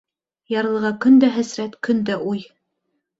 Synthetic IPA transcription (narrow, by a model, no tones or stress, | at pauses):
jɑɾlˠɤ̆ʁɑkɵ̆nd̪æɦæsɾæt̪kɵnd̪æʔuj